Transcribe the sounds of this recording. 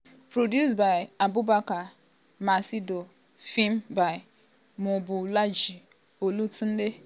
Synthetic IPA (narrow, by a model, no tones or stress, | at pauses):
pɾodjusbaɪabubaka | masido | fim̩baɪ | mʊbʊlad͡ʒi | olutun̩de